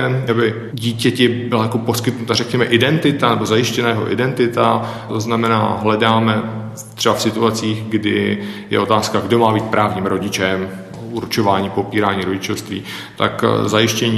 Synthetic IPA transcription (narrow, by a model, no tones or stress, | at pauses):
abɪ | ɟiːcɛcɪbɪlajako̞po̞skɪt̪nut̪arɛkɲɛmɛʔɪdɛnt̪ɪt̪anɛbo̞zajɪʃcɛnajɛɦo̞ʔɪ̰dɛnt̪ɪt̪a | t̪oznamɛna̰ːɦlɛdaːmɛ | t̪r̥ɛbafsɪt̪uat͡siːɣɡdɪjɛ̰ʔo̞t̪aːskaɡdo̞maːbiːt̪̚pɾʔaːvɲiːmɾo̞ɟɪt͡ʃɛm | uɾt͡ʃo̞vaːɲiːpopiːɾaːɲiːɾo̞ɟɪt͡ʃofst̪vḭː | t̪a̰kzajɪʃcɛɲiː